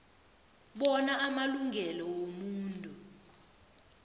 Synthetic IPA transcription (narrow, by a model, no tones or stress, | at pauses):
ɓɔnaʔːmaluŋʱɛlɔwomuːntʼu